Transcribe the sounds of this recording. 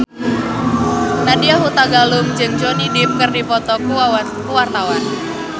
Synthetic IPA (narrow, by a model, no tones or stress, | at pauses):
nadiaɦut̪aɡalʊmd͡ʒɨŋd͡ʒonidɪp̚kɨrdipɔt̪ɔkua | kuwart̪awan